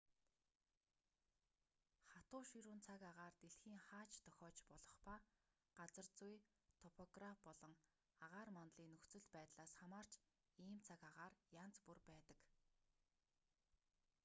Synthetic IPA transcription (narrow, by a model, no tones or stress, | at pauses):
χat̪ʊːʃiɾuːnt͡sʰakaʁaːrt̪eɬxiːŋχaːt͡ɕt̪ʰœxʲɔːt͡ɕpɔɮɞ̆χpa | ɢ̥at͡sə̆rt͡suj | t̪ʰɔpʰɔɡrafpɔɮɞ̆ŋ | aʁaːrmant̪ɮiːŋnːɵxt͡sɵ̆ɮpæːt̪ɮaːsχamaːr̥t͡ɕ | iːmt͡sʰakaʁaːrjant͡spurpæːt̪ə̥̆k